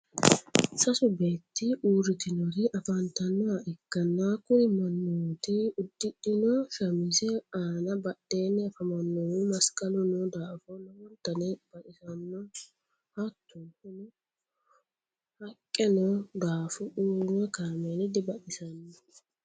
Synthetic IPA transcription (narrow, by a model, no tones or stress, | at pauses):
sɐsʊbe̞ːt̪ːɪʔuːɾɪt̪ɪnɔɾɪʔɐfɐnt̪ɐnːaʔɛkːɐnːakʊɾɪmɐnːoːt̪ɪʊd̪ːɪᶑɪnɔʃɐmɪsɛaːnɐbɐɗːeːnːɛfɐmɐnːɔwumɐskʼɐlʊnɔd̪aːfɔnɐmɔnt̪ːɐnɛbɐʔɪsɐnːɔ | hɐt̪ːʊnhʊnɔ | hɐkʼːɛnɔd̪aːfɔʔuːɾmɛkamenɪd̪ɪbɐʔɪsɐnːɔ